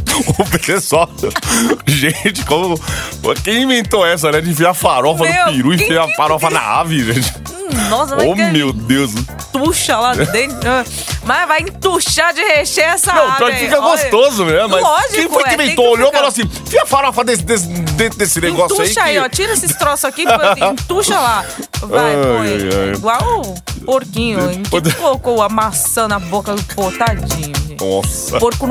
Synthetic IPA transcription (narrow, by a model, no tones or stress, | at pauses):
ʊpet̪esɔ | ʒẽt͡ʃɪ̥kõmʊkẽj̃ĩvẽnt̪oɛs̬ɐolɛ̃ʒẽɪfejafaɾɔfɐd̪ʊpiɾũɪfejɐfaɾɔfɐna̰a̰viʒẽt͡ʃɪ̥ | nɔsɐommewd̪ews | t̪uʃɐlad̪ẽɛ̃ | mavajĩt̪uʃad͡ʒɪheʃeɛsɐnɐ̃w̪̃fikɐɡost̪ozʊmemʊmlɔʒiẽfojkkemẽjt̪ooʎofɐl̃as̬ĩfiɐfaɾafɐd̪esd̪esd̪ẽd̪esɪnẽɡɔst̪uaiʃaiɔt͡ʃiɾesɪst̪ɾosʊakipĩt̪uʃɐlavaajja̰ɡwawpoɾkĩɲʊʊẽkkolokoamasɐ̃nɐbokɐd̪ʊpoɾt̪ad͡ʒĩɲʊ̃ɔsɐpoɾkʊn